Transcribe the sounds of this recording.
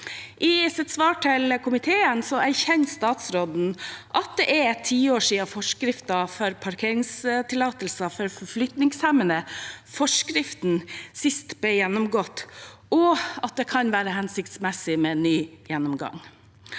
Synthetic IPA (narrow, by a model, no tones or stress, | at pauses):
ʔɪsɛt̪sʋɑːʈʰɪlkʰʊmɪt̪ʰeːənsɔæɾçɛnst̪ɑːt̪sɾod̪n̩ʔɑt̪̚d̪ɛʔæt̪ʰiːoːʂiːɑfɔʂkɾɪft̪ɑfɔɾpʰɑɾkʰeːɾɪŋst̪ʰɪlɑːt̪əlsɑfɔɾfɔflʏt̪nɪŋshæmənəfɔʂkɾɪft̪n̩sɪst̪b̥ɛjɛnːɔmɡɔt̪ːɔɑt̪̚d̪ɛkʰɑnʋæːɾəhɛnsɪkt̪smɛsɪmɛnyːjɛnːɔmɡɑ̰ŋ